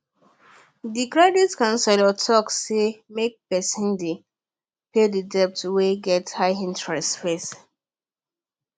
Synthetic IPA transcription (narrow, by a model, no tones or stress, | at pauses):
dikɹɛditkãnsɛlɔtʰɔkːemek̚pɛsĩnde | pedədɛp̚tweɡɛthaɪĩntɹɛstfes